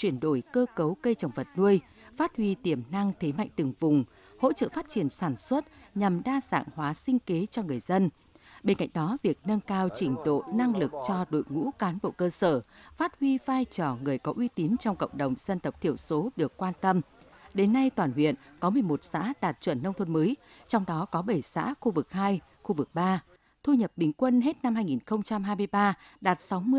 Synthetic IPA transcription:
t͡ɕwi˧˩ənɗo˧˩jkəː˧kə˨˦wkə˧jt͡ɕə˨˩wŋ͡mvə˨˩t̚nu˧əj | faː˦˥t̚hwi˧t̪i˧˩əmna˧ŋt̪ʰe˨˦ma̰˧˨jŋ̟t̪ɨ˨˩ŋvʊ˨˩ŋ͡m | ho̰˧˥t͡ɕə̰ː˧˨faː˦˥t̚t͡ɕi˧˩ənsaː˧˩nswə˦˥t̚ɲa˨˩mɗaː˧za̰ː˧˨ŋhwaː˨˦sï˧ŋ̟ke˨˦t͡ɕɔ˧ŋɨ˨˩əjzə˧n | ɓe˧nka̰˧˨jŋ̟ɗɔ˨˦vi˨˩ək̚nə˧nkaː˧wt͡ɕï˨˩ŋ̟ɗo̰˧˨na˧ŋlɨ˨˩k̚t͡ɕɔ˧ɗo̰˧˨jŋṵ˧˥kaː˨˦nɓo̰˧˨kəː˧səː˧˩faː˦˥t̚hwi˧vaː˧jt͡ɕɔ˧˩ŋɨ˨˩əjkɔ˨˦ʔwi˧t̪i˨˦nt͡ɕɔ˧wŋ͡mkə̰˧˨wŋ͡mɗə˨˩wŋ͡mz̥ə˧nt̪ə˨˩k͡p̚t̪ʰi˧˩əwso˨˦ɗɨ˨˩əkːwaː˧nt̪ə˧m | ɗe˨˦nːa˧jt̪waː˧˨˩nhwḭ˧˨ənkɔ˨˦mɨ˨˩əjmo˨˩t̚sa̰ː˧˥ɗaː˨˩t̚t͡ɕwə̰˧˩nːə˧wŋ͡mt̪ʰə˧nməː˨˦j | t͡ɕɔ˧wŋ͡mɗɔ˨˦kɔ˨˦ɓə˧˩jsa̰ː˧˥xu˧vɨ˨˩k̚haː˧j | xu˧vɨ˨˩k̚ɓaː˧ | t̪ʰu˧ɲə˨˩p̚ɓï˨˦ŋ̟kwə˧nɦe˦˥t̚na˧mhaː˧jŋi˨˩nxə˧wŋ͡mt͡ɕa˧mɦaː˧jmɨ˧əjɓaː˧ɗaː˨˩t̚sa˨˦wmɨ˧

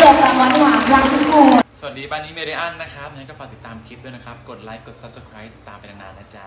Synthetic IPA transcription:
aː˨˧˩taː˧˩waː˧˥t̪ʰa˥waː˨˩laː˧˥˩t͡ɕʰi˦˥˩koː˧˩ŋsa˧˩a˨˩t̪̚diː˧˩baː˧nniː˦meː˧la˧˩ʔaː˥˩nːa˦˥kʰa˦˥p̚ja˧ŋa˦˥kɔː˥˩faː˨˩t̪i˨˩t̪ːaː˧mkʰi˦˥t̚d̪u˥˩jna˦˥kʰa˦˥p̚ko˨˩t̪̚laː˦˥jkːo˨˩t̪̚sa˦˥p̚sa˧kʰɾaː˦˥t̪i̥˨˩t̪ːaː˧mpa˧nt̪ʰa˧naː˨˧˩nːaː˦˥t͡ɕa˨˩

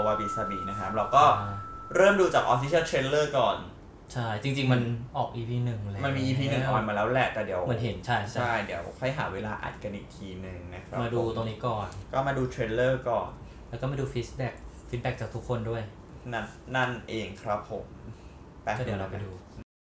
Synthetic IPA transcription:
waː˧bi˨˧sa˧biː˨˩na˦˥kʰɾa˦˥p̚la˧˩wkɔː˥˩ɾɤː˥˩mduː˧t͡ɕaː˨˩k̚ʔɔ˧fi˦˥sʰi˥˩lt̪ʰɾeː˧lːɤː˥˩kɔː˨˩n | t͡ɕʰa˥˩jt͡ɕi˧ŋt͡ɕi˧ŋma˧nʔɔː˨˩k̚ʔiː˧pʰiː˧nɯ˨˩ŋlma˧nmiː˧ʔiː˧pʰiː˧nɯ˨˩ʔɔː˨˩nmaː˧lɛː˦˥wlɛ˧˩t̪ɛː˨˩di˨˩˦əwmɯ˩˦ənɦe˩˦nt͡ɕʰa˥˩jʰa˥a˥˩jdi˨˩˦əwkʰa˥˩jɦa̰ː˩˦weː˧laː˧ʔa̰˨˩t̪̚ka˧nʔiː˨˩k̚t̪ʰiː˧nɯ˨˩ŋna˦˥kʰɾa˦maː˧duː˧t̪o˧ŋniː˦˥kɔː˨˩nkɔː˥˩maː˧duː˧t̪ʰɾeː˧lːɤː˥˩kɔː˨˩n | lɛ˦˥kɔː˥˩maː˧duː˧fiː˦˥t̚bɛ˨˩k̚fiː˦˥t̪̚bɛ˨˧˩k̚t͡ɕaː˨˩k̚t̪ʰkʰːo˧ndu˥˩əj | na˥˩nːa˥˩nʔeː˧ŋkʰɾa˦˥pʰːo˨˩˦m | t̪ɛ˧ɔ˥˩di˩˦˧ɾa˧pa˧jduː˧

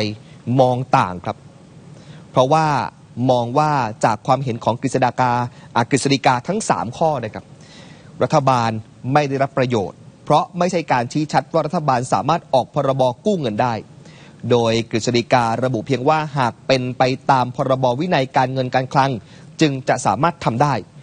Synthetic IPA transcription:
jmɔː˧ŋt̪a̰ː˨˩ŋkʰɾa˦˥p̚ | pʰɾɔ˦˥waː˥˩ | mɔː˧ŋwaː˥˩t͡ɕaː˨˩kʰwaː˧mɦe˩˦nkʰɔː˩˦ŋkɾi˨t̪̚sa˧naː˧kaː˧ʔa˨˩kɾi˨t̪̚sa˧li˧˥kaː˧t̪ʰa˦˥ŋsa̰ː˩˦mkʰɔː˥˩naː˥˩kʰa˦˥p̚ | ɾa˦˥t̪ʰːa˧baː˧n | ma˥˩jda˥˩jɾa˦˥pːɾa˧jo̰ː˨˩t̪̚pʰɾɔ˦˥ma˥˩jt͡ɕʰa˥˩jkaː˧nt͡ɕʰiː˦˥t͡ɕʰa˦˥t̪̚waː˥˩ɾt̪ʰːa˧baː˧nsa̰ː˩˦maː˥˩t̪̚ʔɔː˨˩k̚pʰɔː˧ɾa˧bɔː˧kuː˥˩ŋɤ˧ndaː˥˩j | doː˧jkɾi˨˩sa˧ɾi˧˥kaː˧ɾa˧bu˨˩pʰiː˧əŋwaː˥˩ɦaː˨˩k̚pe˧npa˧jt̪aː˧mpʰɔː˧ɾa˧bɔː˧wi˦˥na˧jkaː˧nŋɤ˧nkaː˧nkʰla˦˧˥ŋ | t͡ɕɯ˧ŋt͡ɕa˨˩ʔsa̰ː˩˦maː˥˩t̪ʰːa˧mdaː˥˩j

